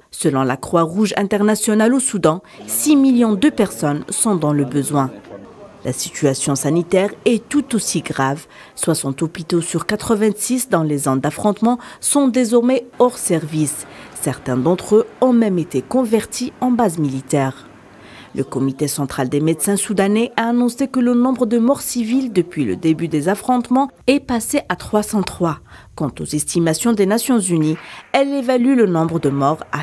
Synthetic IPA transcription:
səlɔ̃lakχwaʁuʒɛ̃t̪ɛʁnasjɔnalosud̪ɑ̃ | similjɔ̃d̪əpɛʁsɔnsɔ̃d̪ɑ̃ləbəzwɛ̃lʔa̰sit̪yasjɔ̃sanit̪ɛʁɛt̪ut̪osiɡʁav | swasɑ̃t̪ɔpit̪osyʁkat̪χəvɛ̃sisd̪ɑ̃lezɔ̃d̪afχɔ̃t̪mɑ̃sɔ̃d̪ezɔʁmeɔʁsɛʁvisːɛʁt̪ɛ̃d̪ɑ̃t̪χøɔ̃mɛmet̪ekɔ̃vɛʁt̪ʰiɑ̃bazmilit̪ɛːʁ | ləkɔmit̪esɑ̃t̪χald̪emed̪sɛ̃sud̪anɛʔaːnɔ̃sekələnɔ̃bʁəd̪əmɔʁsivild̪əpɥilə̰d̪ebyd̪ezafχɔ̃t̪mɑ̃ɛpaseʔat̪χwasɑ̃t̪χwakɑ̃t̪o̰zɛst̪imasjɔ̃d̪enasjɔ̃zyniɛlevalylənɔ̃bʁəd̪əmɔʁa̰

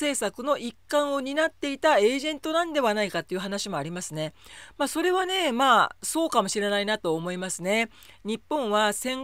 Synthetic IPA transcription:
e̞ːsakɯ̟no̞ʔikːãɰ̃o̞ɲ̟inat̪ːe̞it̪ae̞ːʑẽ̞nt̪o̞nãnd̪e̞βanaikat̪ːe̞iɯ̟ɦanaɕimo̞aɾʲimasɨne̞maːso̞ɾe̞βane̞maːso̞ːkamo̞ɕiɾe̞nainat̪o̞ːmo̞imasɨne̞ | ɲ̟ipːõ̞ɰ̃βasẽ̞ŋ

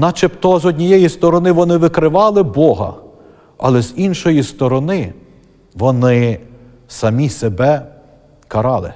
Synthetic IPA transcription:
nɐt͡ʃɪpt̪ɔzɔdʲnʲijɛjist̪ɔɾɔnɪʋɔnɪʋɪkɾɪʋɑlˠɪbɔɦɐ̰ | ɐ̰lˠɛz̥inʃɔjist̪ɔɾɔnɪ | ʋɔnɪ | sɐmʲisebɛ | kɐɾɑlˠɪ̰

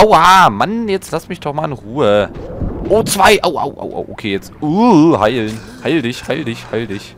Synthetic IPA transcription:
ʔoʊʔaːmanjɛt͡stlasmɪçd̥ɔχmaːlɪnʁuːə | ʔoːt͡sv̥aɪʔoʊʔo̰ʊʔo̰ʊʔo̰ʊʔokʰeːjɛt͡sʔuhaɪln | haɪldɪçhaɪldɪçhaɪldɪç

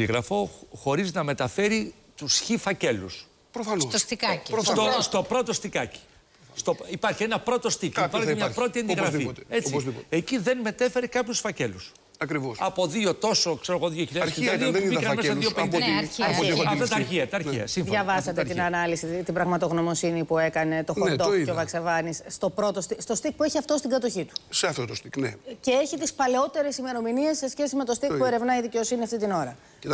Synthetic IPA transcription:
iɣɾɐfo̞xo̞ɾiznɐme̞t̪ɐfe̞ɾi | t̪usçifɐce̞lṵs | pɾofɐnsost̪ost̪ikɐcist̪ost̪o̞pɾo̞t̪o̞st̪ikɐci̥ | st̪oipɐɾçienɐpɾo̞t̪o̞st̪icipɐɾemɲɐpɾo̞t̪iɐnd̪iɣɾɐffie̞t͡sizip̪e̞ciðe̞nme̞t̪efe̞ɾekɐpçusfɐce̞lus | ɐkɾivosɐpo̞ðio̞t̪o̞so̞kse̞ɾoɣo̞ðioçiʎɐɐɐðobikɐmesɐððiopeniɐiɐt̪ɐt̪ɐɾçiɐt̪ɐɾiɐ̰siðʝɐvɐsɐt̪et̪inɐnɐlisit̪ibɾɐɣmɐt̪o̞ɣno̞mo̞sinipue̞kɐne̞t̪o̞dxod̪oeovɐksevɐnisːt̪o̞pɾo̞t̪ost̪ist̪o̞st̪ik̚pueçiɐft̪o̞st̪iɡɐt̪o̞çit̪u̥seɐft̪ot̪ost̪ikneceeçit̪ispɐle̞o̞t̪e̞ɾe̞sime̞ɾo̞minie̞sːe̞sçe̞simet̪o̞st̪ikpue̞ɾe̞vnɐiðice̞o̞siniɐft̪it̪ino̞ɾɐ

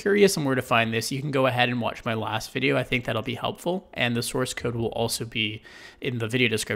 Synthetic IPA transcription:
j̥ʊɹiɨsmwɜ˞ɾɨfãɪ̃nðɪsjɨkʰn̩ɡoʊəɦɛɾɨ̃nwɑ̰t͡ʃmaɪlæ̰stv̥ɪɾioʊaɪθɪ̃ŋk̚ðæɾl̩ˠbihɛ̰lˠpfl̩ˠʔɨ̃nðɨsɔɹskʰoʊd̚wɪ̰lˠʔɔ̰lˠsoʊbi | ɪ̃nðɨvɪɾioʊɾɨskɹ̥ɪ

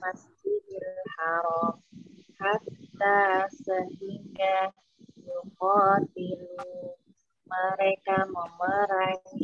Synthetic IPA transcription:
masd͡ʒidilhaɾɔmhat̪asəhiŋka | juhɔdil | məɾɛkamɔməɾa

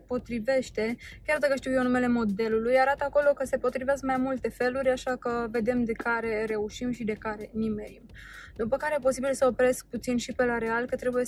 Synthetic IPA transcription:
po̞t̪ɾive̞ʃt̪e̞kʲard̪akəʃt̪iwjenume̞le̞mo̞d̪e̞lulujaɾat̪əako̞lo̞kəse̞po̞t̪ɾiveas̬kmajmult̪e̞fe̞luɾʲaʃakəve̞d̪e̞md̪e̞kaɾe̞ɾe̞uʃimʃid̪e̞kaɾe̞nimeɾim | d̪upəkaɾejepo̞sibilsəopɾe̞sk̚put̪sinʃipelaɾe̞alkət̪ɾe̞buje̞

